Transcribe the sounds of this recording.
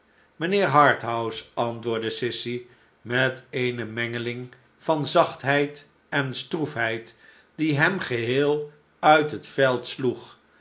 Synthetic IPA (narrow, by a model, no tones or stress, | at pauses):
mənɪːɹɦɑɹtɦʌwsɑntʋʊːɹdəsɪsi | mɛtejnəmɛŋəlɪŋ | v̥ɑnzɑχtɦɛjt | ɛnstrufɦɛjt | d̥iɦɛmχəɦɪːlˠ | œɥtɦətfɛlˠtsluχ